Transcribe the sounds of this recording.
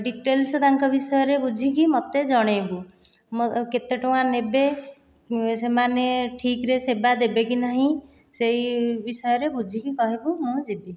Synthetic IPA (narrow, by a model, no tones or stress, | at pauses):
ɖiʈelsɔt̪aŋkɔbisɔjɔɾebud͡ʒʱikimot̪ed͡ʒɔɽ̃ebu | moket̪eʈɔw̃anebe | semaneʈʰikɾesebad̪ebekinaɦĩ | sejbisɔjɔɾebud͡ʒʱikikɔɦibumũd͡ʒibi